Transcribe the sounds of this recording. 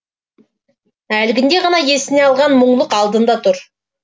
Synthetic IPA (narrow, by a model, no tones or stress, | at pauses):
ælɡʲɪnd̪e̞ʁɑnɑje̞sɪne̞ɑlˠʁɑnmʊɴlˠəqɑlˠd̪ənd̪ɑt̪ʰʊɾ